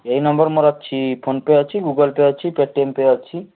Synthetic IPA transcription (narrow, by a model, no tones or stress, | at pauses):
ejnɔmbɔɾmoɾatːt͡ʃʰipʰonpeat͡ʃʰiɡuɡolpeat͡ʃʰipeʈːiempeat͡ʃʰi